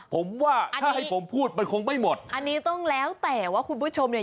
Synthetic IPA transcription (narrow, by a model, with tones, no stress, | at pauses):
pʰo˩˦mwaː˥˩a˧aː˥˩ha˥˩jpʰo˩˦mpʰuː˥˩t̪̚ma˧nkʰo˧ŋma˥˩jmo˨˩t̪̚ʔa˧nːiː˦˥t̪ɔ˥˩ŋlɛː˦˥wt̪ɛː˨˩waː˥˩kʰu˧npʰu˥˩t͡ɕʰo˧mja˨˩